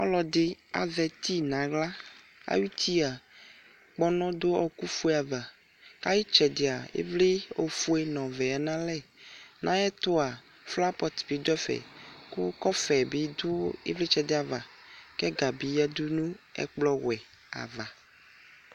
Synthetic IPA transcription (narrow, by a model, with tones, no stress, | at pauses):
ɔ̰˦lɔ˨d̪e˦a̰˨vɛ˨t̪i˦nã˨ɣla˦ | a̰˦jwu˦t̪ʰi˦a˨ | k͡pɔ˦nɔ̃˦d̪o˦ɔ˦ku˦fu˦e˦a˨va˨ | ka˦ji˦t͡ʃɛ˨de˨a˨ḛ˦vle˦o˨fu˦e˦nɔ̃˨vɛ˨a˨nã˦lɛ˦˨nʔã̰˦ɛ˦t̪o˦a˨ | fla˦pɔ˦t̪b̥i˨˦d̪ɛ˦fɛ̰˨ku˦kɔ˦fɛ˨bi˨do˦ḛ˦vle˦t͡ʃɛ˨d̪e˦a˨va˨ | kɛ˦ɡa˨bi˨ja˦d̪u˦nũ˦ɛ̰˦k͡plɔ˦wɛ˨ | a̰˨va˨